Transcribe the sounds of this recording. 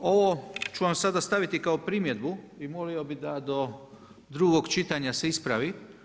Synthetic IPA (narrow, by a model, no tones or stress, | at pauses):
o̞ʋot͡ʃuʋamsad̪ast̪aʋit̪ikaopɾiːmjed̪bu | imolio̞bid̪ad̪o | d̪ɾuɡokt͡ʃit̪aɲase̞ispɾaʋi